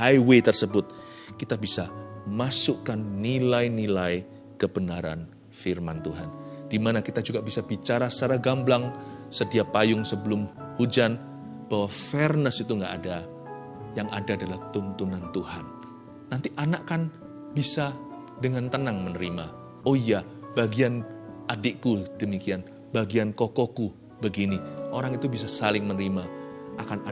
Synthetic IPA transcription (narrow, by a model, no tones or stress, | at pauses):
hajwet̪ərsəbʊt̪̚ | kit̪abisamasʊkanːilainilai | kəbənaɾa̰n | firmant̪uɦand̥imanakit̪ad͡ʒuɡabisabit͡ʃaɾasaɾaɡamblaŋsədiapajʊŋsəbəlʊm | hud͡ʒan | b̥awafɛrnəsit̪uŋɡaʔːda | jaŋʔadaːdalaht̪ʊnt̪unant̪uhanː | ant̪iʔanaʔkan | bisa | dəŋant̪ənaŋmənəɾima | oija | b̥aɡianʔadɪʔkudəmikian | baɡiankokɔku | bəɡiniʔoɾaŋit̪ubis̬asalɪŋmənəɾimaʔakana